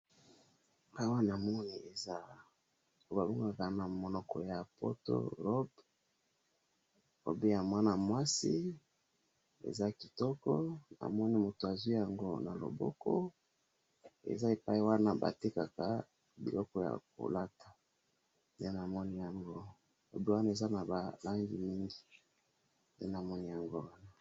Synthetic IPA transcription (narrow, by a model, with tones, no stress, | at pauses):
e˨pa˦i˦wa˦n˨a˨mɔ˦ni˨e˨za˦ | o˨ba˨bu˦ŋɡa˨ka˨na˨mo˨nɔ˨kɔ˨ja˨po̰˦to̰˦ʁɔ˦b | o̰˨be˦ja˨mwa˦na˨mwa˦si˦ | ḛ˨za˦ki˨tɔ˦kɔ˦na̰˨mɔ˦ni˦mo˨to˨a˨zwi˦ja˨ŋɡo˦na˨lo̰˨bɔ̰˦kɔ˦ | ḛ˨za˦e˨pa˦i˦wa˦na˦ba̰˨te˦ka˨ka˨ | bi˨lɔ˦kɔ˦ja̰˨ko̰˨la˦tḁ˨ | nde˦na˨mɔ˦ni˦ja˨ŋɡo˦ | lo̰˨bi˦wa˦na˦˨e˨za˦na˨ba˨la˦ŋɡi˨mi˦ŋɡi˨ | nde˦na˨mɔ˦ni˦ja˨ŋɡo˦wa˦na˨